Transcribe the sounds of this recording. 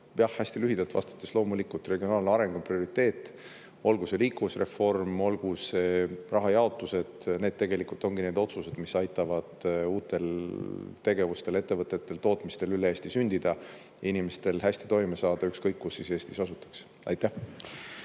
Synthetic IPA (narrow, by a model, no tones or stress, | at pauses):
jɑhːæsʲt̪ilyɦid̪̥ɑlt̪vɑ̰st̪ɑ̥t̪ːˑeslo̞ːmulikːˑult̪re̞ɡ̥io̞nɑːlnɑɾe̞ŋɡ̥oprio̞ɾit̪ːe̞ːt̪ːˑ | o̞lɡ̥use̞liːkːusre̞fo̞rmo̞lɡ̥use̞rɑɦɑjɑo̞t̪ːˑuse̞d̪̥ne̞ːd̪̥̚t̪e̞ɡ̥e̞likult̪ˑo̞ŋɡ̥ine̞ːd̪o̞t̪suse̞d̪̥misɑjt̪ːˑɑvɑd̪̥uːt̪ːˑe̞l | t̪e̞ɡ̥e̞vust̪e̞le̞t̪ːe̞vɤt̪ːˑe̞t̪ːe̞lt̪o̞ːt̪ˑmist̪e̞lyleeːsʲt̪isynʲd̪̥id̪̥ɑ | jɑinimest̪e̞lhæsʲt̪i̥t̪o̞jmesɑːd̪̥ɑykskɤjkːusːise̞ːst̪isɑsut̪ːˑɑ̥ks | ɑ̰jt̪ːæh